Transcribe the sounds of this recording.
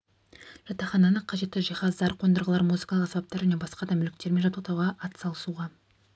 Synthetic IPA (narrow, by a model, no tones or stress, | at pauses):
ʒ̥ɑt̪ɑχɑnɑnəqʰɑʒe̞t̪ːɪʒijχɑɑɾqʰond̪əɾʁəlˠɑɾmuzɨkɑlˠəqsɑbɑp̚t̪ɑɾʒæne̞bɑsqɑd̪ɑmʏlɪkt̪e̞ɾme̞nʒɑt̪uqt̪ɑwʁɑʔɑt̪sɑlˠəsuʁɑ